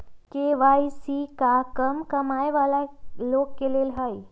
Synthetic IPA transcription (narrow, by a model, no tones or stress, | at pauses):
keʋaːjsikakəmkɐmaːjʋaːlaloːɡkeleːlɦəj